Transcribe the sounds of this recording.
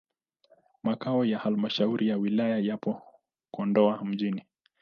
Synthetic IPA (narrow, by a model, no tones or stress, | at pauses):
makaɔjahalmaʃauɾʔijawilajajapɔ | kɔndɔam̩ʄini